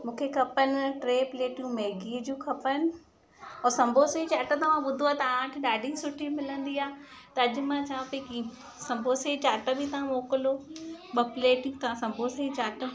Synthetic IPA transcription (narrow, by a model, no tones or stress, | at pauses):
mũːkʰekʰɐpənɪʈɾeːpleːʈijũmɛːɡiːəd͡ʑũːkʰɐpənɪ̆ | ɔːsɐ̃mbʱoːseit͡ɕaːʈət̪ɐʋ̤ãɓʊd̪ʱoaːt̪ɐaãkʰẽɗaːɖʱĩsʊʈʰimɪlə̃nd̪iaːt̪ɐɐd͡ʑʊ̆mãt͡ɕʰaːpeki | sɐ̃mbʱoːseit͡ɕaːʈəbʱit̪ɐʋãmoːkɪloːɓɐpleːʈjũt̪ɐʋ̤ãsɐ̃mbʱoːseit͡ɕaːʈə